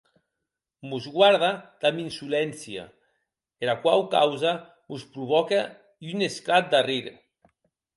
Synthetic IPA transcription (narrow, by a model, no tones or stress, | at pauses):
muzɣwaɾð̞ad̪̥aminsulɛnsja̰ | elakwawka̰wza | muspɾuβɔka | ynesklat̪̚d̪ariɾ